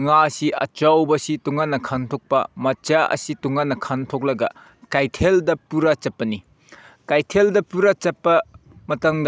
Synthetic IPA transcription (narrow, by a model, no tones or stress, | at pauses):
ŋasiʔɐ̰t͡ʃawbɐsituŋanːɐkʰantʰok̚pɐmɐt͡ʃaɐ̰situŋanːɐkʰantʰok̚lɐɡɐ | kajtʰeldɐpuɾɐt͡ʃɐp̚ːɐni | kajtʰeldɐpuɾat͡ʃɐpːɐ | mɐtɐŋd